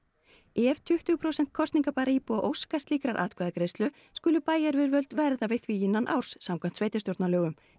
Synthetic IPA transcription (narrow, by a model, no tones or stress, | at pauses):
ɛvt̪ʰʏht̪ʏɣpʰɾowsɛnt̪̚kʰɔst̪niŋkapaːɾaiːpuaʔowskast̪liːkɾaɾʔa̰ːt̪kʰvɛːðakɾejst̪lʏ | skʏːlʏpaːjaɾvɪðɾvœlt̪vɛɾðavɪθviːjɪnːanʔa̰wr̥sːamkʰan̥t̪sveːjt̪ɪst̪joɾt̪nalœːɣʏm